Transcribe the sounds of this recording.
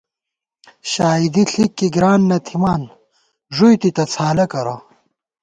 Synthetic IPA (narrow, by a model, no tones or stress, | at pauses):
ɕaːid̪iɬikːiɡɾaːnːɐt̪ʰimaːn | ʐujt̪it̪ɐt͡sʰaːlɐkɐɾa̰